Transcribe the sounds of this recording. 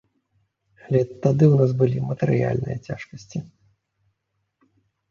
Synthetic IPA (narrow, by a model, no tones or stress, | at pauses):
alʲɛt̪ad̪ɨwnas̬bɨlʲimɐt̪ɨɾɨja̰lʲnɨ̰jɐ̰t͡sʲa̰ʂkɐsʲt͡sʲi